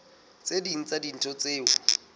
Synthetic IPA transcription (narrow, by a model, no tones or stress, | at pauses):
t͡sediŋ̩t͡sadin̩tʰɔt͡seːʊ̰